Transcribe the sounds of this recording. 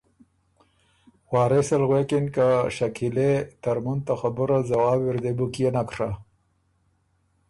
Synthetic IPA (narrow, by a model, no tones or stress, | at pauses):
wɑːɾesalɣwekinkaʃakʰilet̪aɾmunt̪axabuɾazawɑːbwiɾd̪ebukijenakʂa